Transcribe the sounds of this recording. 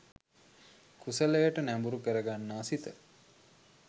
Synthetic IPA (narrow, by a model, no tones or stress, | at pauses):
kʰusələjəʈənæmbuɾukəɾəɡanːaːsit̪ə